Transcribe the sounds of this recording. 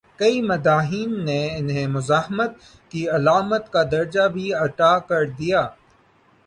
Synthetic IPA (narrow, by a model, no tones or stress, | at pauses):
kɐimɐd̪aːɦiːnːeɪnɦemʊzaːɦmət̪̚ | kiɐlaːmət̪kad̪ɐɾd͡ʒabʱiɐʈaːkɐɾd̪ijaː